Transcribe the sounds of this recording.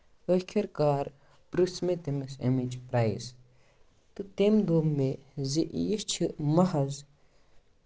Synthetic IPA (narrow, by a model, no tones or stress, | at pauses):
əkʰɐɾkaːɾ | pɾɨsmet̪emisḭmid͡ʒpɾaːjs | t̪ɨt̪emd̪oːmːeziʔjist͡ʃʰimɐhɐz